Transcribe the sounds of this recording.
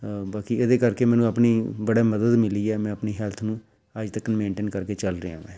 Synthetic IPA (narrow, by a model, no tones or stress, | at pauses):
baːkiːed̪eːkəɾkeːmɛ̃ːnũːəpɳiːbəɽaːməd̪əd̪mɪliːɛːmɛ̃ːəpniːɦɛlt̪ʰnũː | əd͡ʒt̪əkːənmẽːɳʈeːnkəɾkeːt͡ʃəlɾə̰ã̰ːʋɛ̃ː